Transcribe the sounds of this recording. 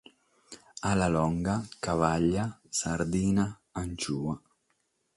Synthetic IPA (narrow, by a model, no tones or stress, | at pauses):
alalɔŋɡakavaʎːasaɾd̪iːna | ant͡ʃuːa